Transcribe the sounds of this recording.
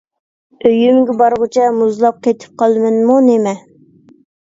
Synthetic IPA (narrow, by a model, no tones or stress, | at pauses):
øjymɡʲɪbɑɾʁʊt͡ʃʰɛmuzlˠɑp̚kʲet̪ʰɪ̥p̚qʰɑlˠmɪnmunemɛ